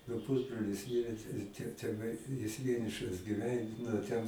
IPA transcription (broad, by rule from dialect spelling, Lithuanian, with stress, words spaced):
nʊ ˈpʊzbroːlʲɪs ˈmʲɪrʲeː tɐɪ jɪs tʲɛ tʲɛˈnɐɪ jɪs ˈʋʲiɛnʲɪʃɐs ɡʲɪˈʋʲɛn nʊ ˈtʲɛn